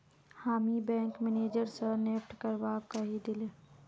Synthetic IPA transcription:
haːmibɛ̃ːŋkmɪneːd͡ʒəɾsəneːpʈkəɾbakəɦid̪ɪle

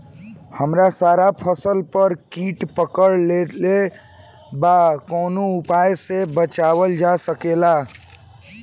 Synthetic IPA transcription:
həmɾasaɾapʰəsəlpəɾkiʈpəkəɾlele | bakonoupajsebət͡ʃaβəld͡ʒasəkela

